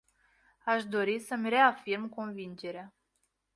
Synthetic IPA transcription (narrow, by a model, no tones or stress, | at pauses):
aʃd̪o̞ɾisəmre̞afirmko̞nvind͡ʒe̞ɾea